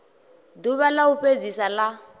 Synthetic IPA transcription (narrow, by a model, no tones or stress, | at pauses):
duβalauɸed͡zisala